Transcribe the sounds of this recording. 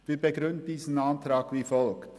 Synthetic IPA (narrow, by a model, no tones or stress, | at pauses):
vɪːbeɡɾʏndd̥iːsn̩ɑntɾɑːɡviːfɔlkt